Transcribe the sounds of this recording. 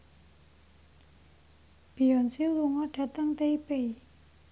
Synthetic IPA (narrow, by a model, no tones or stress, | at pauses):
b̥i̤ɔnsiluŋɔɖ̥a̤t̪əŋt̪eipei